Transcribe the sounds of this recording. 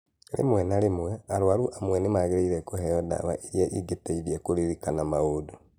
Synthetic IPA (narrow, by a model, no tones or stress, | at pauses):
lḭmwenalimweaɾwaɾuʔamwenimaɣiɾeiɾekuheoða̰βa̰ʔiɾjaʔiɡeteiɾiekuɾiɾikanamaudu